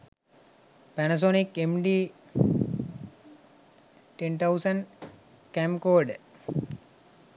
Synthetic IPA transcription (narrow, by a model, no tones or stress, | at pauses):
pænɐs̬onikemɖiː | ʈent̪ʰawsəɳɖ | kæmkoːɖ